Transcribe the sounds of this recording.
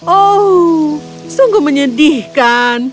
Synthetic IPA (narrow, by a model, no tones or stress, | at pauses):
o | suŋɡʊməɲədɪhkan